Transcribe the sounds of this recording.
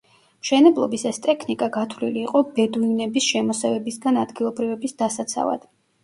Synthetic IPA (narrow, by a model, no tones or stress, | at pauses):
mʃɛnɛblˠɔ̰bisɛst̪ʼɛkʰnikʼaɡat̪ʰwlḭliːqʼɔbɛd̪uinɛbisʃɛmɔsɛvɛbisɡanad̪ɡilˠɔbɾivɛbisd̪asat̪sʰa̰va̰d̪̥